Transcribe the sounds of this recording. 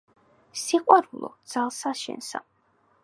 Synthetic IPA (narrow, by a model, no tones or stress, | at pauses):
siqʼwaɾulˠɔ̰d̪z̥alˠsaʃɛ̰nsa̰